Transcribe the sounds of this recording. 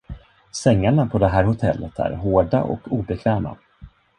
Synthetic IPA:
sɛŋːaɳapʰɔd̪ɛɦæːɾhʊt̪ʰɛlːət̪ʰæ̰ːɾɦoːɖa̰ʔɔ̰kʰuːbɛkʰvɛːma̰

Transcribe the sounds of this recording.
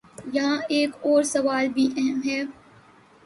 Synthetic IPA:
jɐɦãeːkɔːɾsɐʋaːlbʱiʔɛɦəmɦɛː

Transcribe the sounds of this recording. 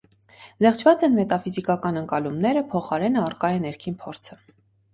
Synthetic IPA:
zɛχt͡ʃʰvɑt͡sɛnmɛt̪ɑfizikɑkɑnəŋkɑlumnɛɾəpʰɔχɑɾɛnəɑrkɑjɛnɛɾkʰinpʰɔɾt͡sʰə̥

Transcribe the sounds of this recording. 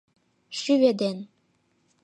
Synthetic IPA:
ʃyβed̪en

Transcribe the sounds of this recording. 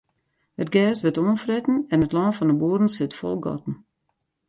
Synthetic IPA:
ət̚ɡɛːsʋətoːnfrɛtn̩ɛnətlɔːnfɔndəboədn̩sɪtfɔ̰lˠɡɔ̰tn̩

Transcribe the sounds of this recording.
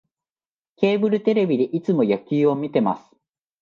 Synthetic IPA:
ke̞ːbɯ̟ɾɯ̟t̪e̞ɾe̞bʲid̪e̞ʔit͡sɨmo̞jakʲiːo̞mʲit̪e̞ma̰sɨ̥

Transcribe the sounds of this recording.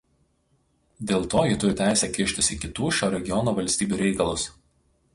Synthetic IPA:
d̪ʲeːlˠt̪oːjɪt̪ʊɾʲɪt̪ʲæˑɪsʲɛːkʲɪʃʲt̪ʲɪsʲɪkʲɪt̪uːʃʲoːɾʲɛɡʲɪjɔnoːʋɐlʲsʲt̪ʲiːbʲuːɾʲɛɪkɐlˠʊs

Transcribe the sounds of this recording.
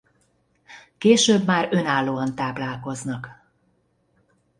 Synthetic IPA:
keːʃøːbmaːɾø̞naːlːoːɒnt̪aːplaːlko̞znɒk

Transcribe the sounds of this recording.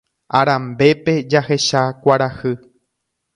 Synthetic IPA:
a̰ɾãmbe̞pe̞d͡ʒahe̞ʃakʷaɾahɨ

